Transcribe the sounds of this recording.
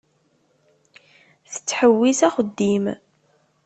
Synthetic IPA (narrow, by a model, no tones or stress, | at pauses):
θə̥t͡sːħəwːisæχəd̪ːim